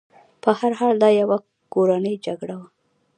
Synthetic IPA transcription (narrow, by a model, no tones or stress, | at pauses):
pəhaɾɦɑld̪ɑjawa | koɾanəjd͡ʒaɡɽawa